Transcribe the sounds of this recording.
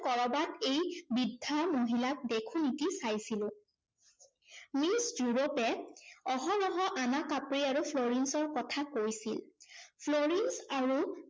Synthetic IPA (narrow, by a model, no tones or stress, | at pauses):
kɔɹɔbatejbidʱːamoɦilak̚dekʰunitisajsilʊ̃ | misjuɹopɛɔɦɔlɔɦɔʔanakapɹiaɹupʰloɹinsɔɹkɔtʰakoɹjsilpʰloɹinsaɹu